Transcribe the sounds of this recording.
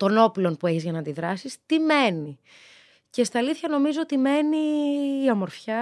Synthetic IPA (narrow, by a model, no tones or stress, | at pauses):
t̪o̞no̞plo̞npue̞çizʝɐnɐːnd̪iðɾɐsist̪ime̞ni | ce̞st̪iɐliθçɐno̞mizoot̪ime̞niːɐmoɾfçɐ